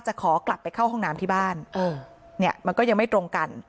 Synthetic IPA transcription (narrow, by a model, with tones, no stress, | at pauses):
t͡ɕa˨˩ʔkʰɔː˩˦kla˨˩pːa˧jkʰa˥˩whɔ˥˩ŋnaː˦˥mt̪ʰiː˥˩baː˥˩nʔɤː˧ | i˥˩ɐma˧nkɔː˥˩ja˧ŋma˥˩jt̪ɾo˧ŋka˧n